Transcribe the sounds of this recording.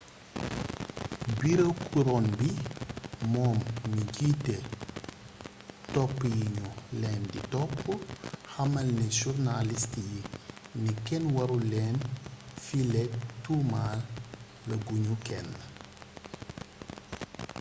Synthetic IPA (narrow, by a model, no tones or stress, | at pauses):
biɾɐkuɾɔnbi | mɔːmːiɟitːɛ | tɔpːjiɲulɛːnditɔpːəxɐmɐlnɛʃurnalistijinikɛnwɐɾulɛːnfilɛtːumaːlː | ɐɡuɲukɛnː